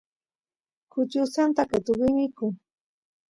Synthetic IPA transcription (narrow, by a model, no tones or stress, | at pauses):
kʊt͡ʃʊsant̪akat̪ʊɢɪmɪkʊ